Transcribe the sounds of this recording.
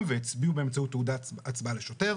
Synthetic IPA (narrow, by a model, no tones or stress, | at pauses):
veet͡sbiubeemt͡sautːeudaat͡sbaleʃo̞te̞